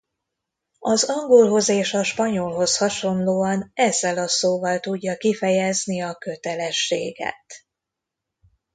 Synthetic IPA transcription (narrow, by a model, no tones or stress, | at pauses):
ɒzɒŋɡo̞lɦo̞zeːʃɒʃpɒɲo̞lɦo̞shɒʃo̞nloːɒnɛzːɛlɒsoːvɒlt̪uɟːɒkifɛjɛzniɒkø̞t̪ɛlɛʃːeːɡɛ̰t̪